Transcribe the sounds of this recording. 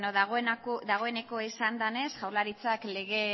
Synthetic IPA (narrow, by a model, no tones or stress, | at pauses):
ɲoðaɣoenakod̪aɣ̞o̞e̞ne̞ko̞isand̪ane̞sʝawɾlaɾit͡sakle̞ɣ̞e̞